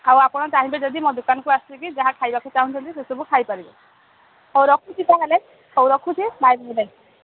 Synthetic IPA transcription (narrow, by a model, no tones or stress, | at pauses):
awapɔnɔtaɦĩbɛd͡ʒɔd̪imɔd̪ukankuasilekid͡ʒaɦãkʰajbakʰit͡ʃaɦũnt͡ʃʰɔnt̪isesubukʰajpaɾibɔ | hɔwɾɔkʰutʰit̪aɦele | hɔwɾɔkʰutʰibajbɦele